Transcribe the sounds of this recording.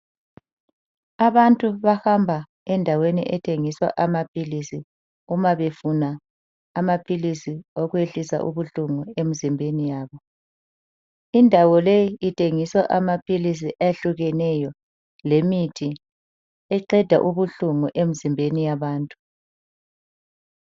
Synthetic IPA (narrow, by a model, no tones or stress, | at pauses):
aβantʼuβahambʱa | ɛndʱawenḭʔɛtʰeŋiswa̰ʔamapʰʼilisi | umaβefunaː | mapʰilisioɣweɬisa̰ʔṵβuɬuŋuemizimbʱenijaːβɔ | indʱawɔlejiitʰeŋiswaʔamapʰilis̬iʔajeɬuɣɛnɛjɔ | lemitʰi | ɛǃɛd̥ʱa̰ʔuβuɬuŋuʔemizimbʱenijaβaːntʼu̥